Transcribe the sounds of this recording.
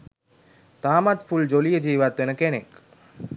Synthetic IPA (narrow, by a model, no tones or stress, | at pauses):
t̪aːmat̪fʰuld͡ʒolijəd͡ʒiʋat̪enəkeñek